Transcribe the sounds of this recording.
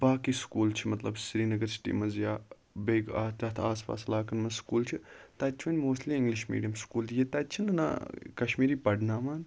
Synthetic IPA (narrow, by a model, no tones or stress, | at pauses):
baːkiskuːlt͡ʃʰimɐt̪lɐbsɾiːnɐɡɐɾt͡ʃʰi̥ʈ̪ḭmɐnzjaː | beːɡa̰ːt̪ʲɐt̪ʰaːspa̰ːslaːkɐnmɐnskuːlt͡ʃʰit̪ɐːt͡ʃʰʋɐnʲmoːst̪liɪŋɡliʃmḭːɖijɐmskuːljeːt̪aːt͡ʃʰinɨna̰kɐʃmiːɾiːpɐɖnaːmaːn